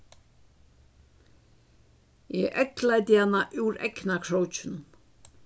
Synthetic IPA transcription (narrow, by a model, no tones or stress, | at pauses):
jɛʔɛklajt̪̬ɪhanːaʔʉɾɛ̰knakʰɹowt͡ʃʏn